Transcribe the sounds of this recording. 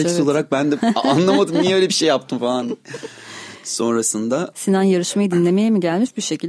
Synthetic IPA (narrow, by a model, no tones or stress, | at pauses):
eiso̞lˠaɾak̚bænd̪ɛanlˠamad̪ɯmijɛølʲebiʃe̞jːap̚t̪ʰɯmfalˠan | so̞nɾasɯnd̪asinanjaɾɯʃmajid̪inlʲe̞me̞jimiɟælʲmiʃbiʃe̞cʰilʲ